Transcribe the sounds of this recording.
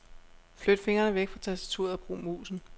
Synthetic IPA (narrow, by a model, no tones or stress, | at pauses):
flød̥fe̝ŋɐnəʋeɡ̥fʁɑt͡sʰæsd̥æt͡sʰṵɐð̩ˠɒb̥ʁṵːmṵːsn̩